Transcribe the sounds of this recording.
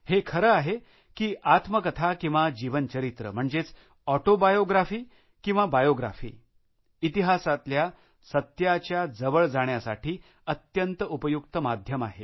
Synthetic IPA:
hekʰəɾəaɦe | kiːʔat̪məkət̪ʰakĩw̃ʋad͡ʑiʋənt͡ɕəɾit̪ɾə̰m̤əɳd͡zet͡s | ɔʈobajoɡɾafiː | kĩw̃ʋabajoɡɾa̰fḭː | it̪iɦasat̪lja | sət̪jat͡ɕjad͡zəʋəɭd͡zaɳ̃jasa̰ʈʰiː | ət̪jənt̪əupəjuk̚t̪əmad̪ʱjəma̰ɦe

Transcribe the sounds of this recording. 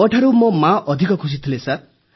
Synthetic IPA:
ɔʈʰaɾumɔmaʔɔd̪ʱikɔkʰus̬it̪ʰilesat

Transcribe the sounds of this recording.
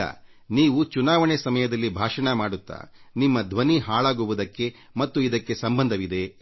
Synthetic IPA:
ɐ̰ | niːʋut͡ʃunaːʋɐɳesɐmɐjɐd̪ɐlːibʱaːʂɐɳɐmaːɽut̪ːa̰ːnimːɐd̪ʱʋɐniɦaːɭaːɡuʋud̪ɐkːe̞ | mɐt̪ːuid̪ɐkːe̞sɐmbɐnd̪ʱɐʋid̪e̞

